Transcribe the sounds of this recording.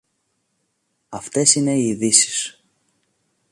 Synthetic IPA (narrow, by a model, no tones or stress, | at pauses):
ɐft̪e̞sine̞iːðisi̥s